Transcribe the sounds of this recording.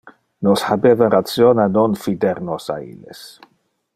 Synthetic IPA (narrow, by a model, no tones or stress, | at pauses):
nɔshabɛðaɾasjɔnanɔnfidɛɾnɔsa̰ḭlɪ̰s